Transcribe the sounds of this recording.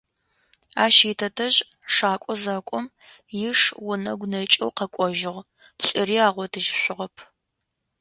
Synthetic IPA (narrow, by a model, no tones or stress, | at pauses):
aːʃiːtʰɐtʰɐʑ | ʂaːkʷʼɔzaːkʷʼɔm | jɪʂwʊnɐɡʷnɐt͡ʃʼɐ̰wqɐkʷʼɔʒɪʁ | ɬʼɪɾiːaːʁʷɔdʰɨʒɕʷʊʁɐpʰ